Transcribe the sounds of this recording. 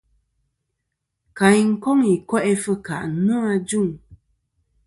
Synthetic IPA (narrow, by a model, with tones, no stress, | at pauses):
ka˨˦ŋ̩˦kɔ˦ŋi˨kwɛ˦ʔɛ˦fə˦ka̰˨ʔnə˦a˦d͡ʒu˦˨ŋ